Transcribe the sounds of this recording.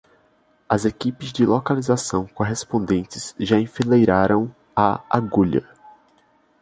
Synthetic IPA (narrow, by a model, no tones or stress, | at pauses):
ɐzekipɪzd͡ʒɪlokalizasɐ̃w̃koɦespõnd̪ẽnt͡ʃɪz̥ʒaĩfilejɾaɾɐ̃w̃ | aa̰ɡuʎɐ̰